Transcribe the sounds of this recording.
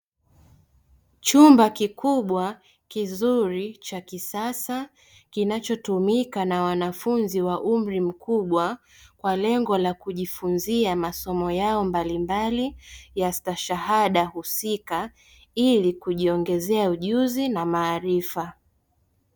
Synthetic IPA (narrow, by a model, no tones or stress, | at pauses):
t͡ʃumbakikuɓwa | kizuɾit͡ʃakisasa | kinat͡ʃɔtumikanawanafunziwaʔum̩ɾim̩kʰuɓwa | kwalɛŋɡɔlakuʄifunziamasɔmɔjaɔmbalimbalijastaʃahaɗahusika | ilikuʄiɔŋɡɛzɛauʄuzinamaːɾifa